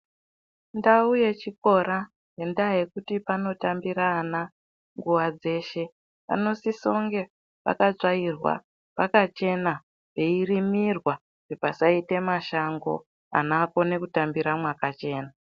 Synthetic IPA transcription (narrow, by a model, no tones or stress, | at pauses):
ndaujet͡ʃiko̞ɾa | je̞ndaje̞kutipano̞tambiɾaːna | ŋɡuʋad͡ze̞ːʃe̞ | pa̰no̞siso̞ŋɡe̞ | pa̰kaʐairwa̰ | pakat͡ʃe̞na | pe̞irimirwa | ʐ̥epasaite̞maʃaŋɡo̞̰ | a̰nako̞ne̞kutambiɾamwakat͡ʃe̞ːna